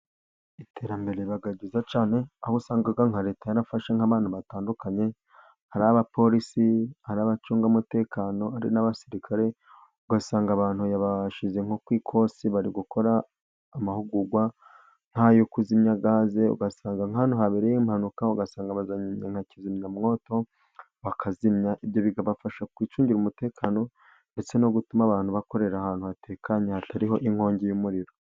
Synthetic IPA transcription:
itʰe̞ːɾambe̞ɾeβaɡaɟizat͡ʃaːne̞ahusaːŋɡaɡaŋhaɾe̞ːtajaɾafaʃeŋ̥aβaːnhuβataːndukaɲe̞ | haɾaβapʰo̞ɾisihaɾaβat͡ʃuːŋɡamute̞ːkaːno̞aɾḭnaβasiɾikʰaɾe̞ | uɡasaːŋɡaβaːnhujaβaʃize̞ŋho̞kwiːkʰo̞siβaɾiɡuko̞ɾaː | mahuɡuɡwa | ŋ̥hajokuzimɲaɡaːze̞ṵɡasaːŋɡaŋanuɦaβeɾejimhanukauɡasaːŋɡaβazaɲiɲeŋhacizimɲamŋo̞ːto̞ | βakʰazimɲaʔiβjo̞βiɡaβafaʃakwiːt͡ʃuːɲɟiɾumute̞ːkʰaːno̞ | nde̞t͡se̞no̞ɡutumaβaːn̥huβako̞ɾe̞ɾahaːn̥huβate̞ːkʰaɲehataɾiɦo̞ʔiŋ̥ho̞ːɲɟejumuɾiɾo̞

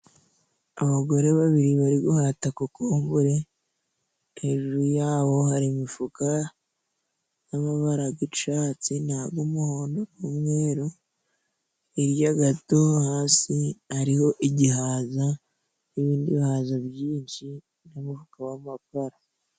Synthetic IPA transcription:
aβaɡo̞ɾe̞βaβiɾiβaɾiɡuhatakukoːmbuɾe̞ | heʒuɾujaːβo̞haɾimifuka | jamaβaɾaɡiʃaːt͡sinaːɡumuhoːndonumŋe̞ːɾu | iɾjaɡato̞haːsihaɾiho̞ʔiɟihaːza | niβiːndiβihaːzaβjiːnʃi | namufukawamapaɾa

